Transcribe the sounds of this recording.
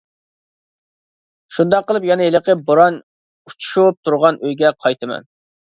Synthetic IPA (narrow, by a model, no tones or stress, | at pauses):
ʃund̪ɑqːəlˠɨpjɑnɨeləqəboɾɑn | ut͡ʃʰu̥ʃup̚t̪ʰuɾʁɑnʔøjɡʲɛqʰɑjt̪ɨmɛ̰n